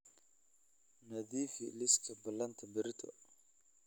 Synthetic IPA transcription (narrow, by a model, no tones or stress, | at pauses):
nɐðiːfḭlɪskʰɐbɐlɐnt̪ʰɐbɪɾɪt̪ʰɔ̰